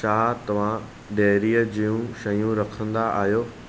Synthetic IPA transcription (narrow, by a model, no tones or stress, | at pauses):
ʃaːɦt̪ɐʋ̤ã | ɖeːɾiəd͡ʑijũʃɐjũɾɐkʰə̃nd̪aa̰ːɦijoː